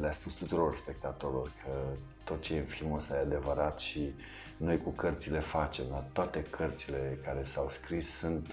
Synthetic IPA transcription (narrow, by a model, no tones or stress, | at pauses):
leaspust̪ut̪uɾo̞rspe̞k̚t̪at̪o̞ɾilorkʰə | t̪o̞t̪t͡ʃejɨnfilməst̪ajead̪e̞vəɾat̪ʃi | no̞jkukərt̪sile̞fat͡ʃe̞mlat̪oat̪e̞kʰərt̪sile̞kaɾe̞sawskɾissunt̪